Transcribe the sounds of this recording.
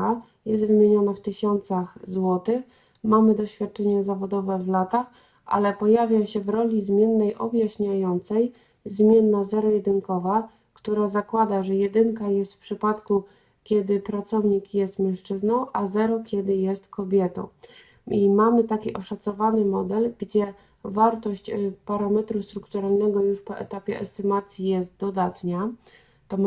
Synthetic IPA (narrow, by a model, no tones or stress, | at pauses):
a | jɛst̪vɘmʲjeɲɔnaft̪ɘɕɔnt̪saxzwɔt̪ɘx | mamɘd̪ɔɕfʲjat̪̚t͡ʂɛɲɛzavɔd̪ɔvɛvlat̪ax | ʔa̰lɛpɔjavʲjaɕɛvɾɔlʲizmʲjɛnːɛjʔɔbʲjaɕɲajɔnt̪sɛj | zmʲjɛnːazɛɾɔjɛd̪ɘŋkɔva | kt̪uɾazakwad̪aʐɛjɛd̪ɘŋkajɛst̪fpʂɘpat̪ku | kʲɛd̪ɘpɾat̪sɔvɲikjɛst̪mʲɛ̃wʂt͡ʂɘznɔ̃w̃ʔazɛɾɔkʲɛd̪ɘjɛst̪kɔbʲjɛt̪ɔ̰̃w̃ | imamɘt̪akʲiʔɔʂat̪sɔvanɘmɔd̪ɛlɡd͡ʑɛ | vaɾt̪ɔɕt͡ɕpaɾamɛt̪ɾust̪ɾukt̪uɾalnɛɡɔjuʂpɔ̰ʔɛ̰t̪apʲjɛʔɛst̪ɘmat̪sʲjijɛst̪̚d̪ɔd̪at̪ɲa | t̪ɔ